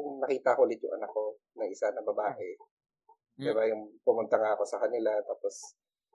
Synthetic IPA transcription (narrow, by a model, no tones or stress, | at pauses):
ʊŋnɐkiːt̪ɐʔkolɪt̪̚jʊ̰ʔɐ̰nɐkːo̞ | nɐŋʔɪsanɐbɐbaːʔɛ | d̪ɛbajʊŋpʊmʊnt̪ɐŋaːʔɐko̞sɐkɐnɪlat̪aːpos